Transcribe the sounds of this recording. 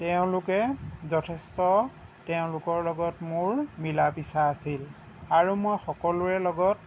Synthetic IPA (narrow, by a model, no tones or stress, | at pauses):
tɛʊ̃lʊkɛzɔtʰɛstɔ | teʊ̃lʊkɔɹlɔɡɔtmʊɹmilapisaːsil | aɹumojxɔkɔlʊɛlɔɡɔt̚